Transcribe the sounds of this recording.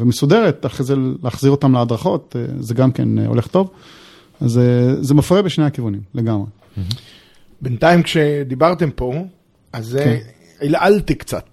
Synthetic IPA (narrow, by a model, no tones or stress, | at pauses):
vemesude̞ʁet̪aχejzeleaχziʁot̪amlead̪ʁaχo̞t̪ḛzeɡamkḛn̰ole̞χt̪o̞v | azezemafʁebeʃnehakivunimle̞ɡamʁe | bent̪aimkʃed̪ibaʁt̪e̞mpo̞ | aze | ilʔalt̪ikt͡sa̰t̪